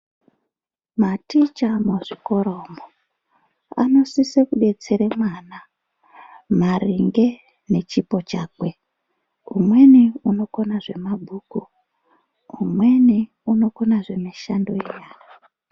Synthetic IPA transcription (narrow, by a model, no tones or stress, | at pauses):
matit͡ʃamoʐiko̞ɾoːmo | a̰no̞sisekuɗe̞t͡seɾemwana | mariŋɡe̞ | ne̞t͡ʃipo̞t͡ʃaːkwe | umwe̞niuno̞ko̞naʐe̞mabʱuːku | umwe̞ni | uno̞ko̞naʐe̞miʃandoejaːjo